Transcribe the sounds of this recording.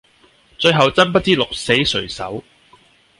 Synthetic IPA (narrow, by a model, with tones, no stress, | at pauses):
t͡sɵ˧ɥɦɐ˨wt͡sɐ˥np̬ɐ˥t̚t͡siː˥lʊ˨k̚se˨˥jsɵ˨˩ɥsɐ̰˨˥w